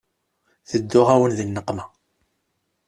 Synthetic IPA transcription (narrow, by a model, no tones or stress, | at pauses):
θəd̪ːʊʁæwənðənːəqːmæ